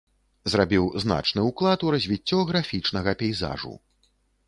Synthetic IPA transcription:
zrabʲiwzna̰t͡ʂnɨuklˠat̪uɾɐzʲvʲit͡sʲːɔɣɾafʲit͡ʂnɐɣɐpʲɛjza̰ʐṵ

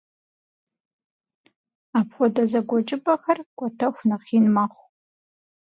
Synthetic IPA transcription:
aːpʰxʷɔdɐzɐɡʷɔt͡ʃʼɪpʼɐxɐrɡʷʼɔtʰɐxʷnaχiːnmaχʷ

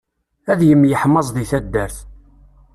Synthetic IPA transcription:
æðjəmːjəħmɑzˤðiθæd̪ːæɾθ

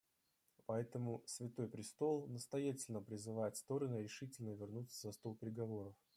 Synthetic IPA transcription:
pɐɛt̪əmʊsvʲɪt̪o̞jpɾʲɪst̪o̞lˠnəst̪ɐjatʲɪlʲnəpɾʲɪzɨvajɪt̪st̪o̞ɾənɨɾʲɪʂɨtʲɪlʲnəvʲɪrnut̪səzɐst̪o̞lˠpʲɾʲɪɡɐvo̞ɾəf

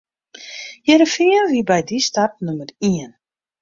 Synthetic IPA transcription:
jɛɾəfiənʋibɛjdistap̚numəriən

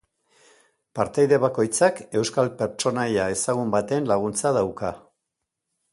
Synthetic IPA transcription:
paɾt̪ajðe̞βako̞jt͡sake̞wskalpe̞ɾt͡ʃo̞najae̞saɣ̞umbat̪e̞nlaɣ̞unt͡saðawka

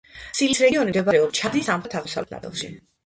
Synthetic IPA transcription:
silisɾɛɡiɔnid̪ɛbaɾɛɔlt͡ʃʰad̪nisamt̪ʰaʁmɔsa̰vlɛna̰bɛ̰lˠʃḭ

